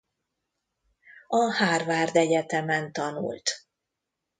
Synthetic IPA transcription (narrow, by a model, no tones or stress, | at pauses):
ɒhaːrvaːrd̪ɛɟɛt̪ɛmɛnt̪ɒnṵlt̪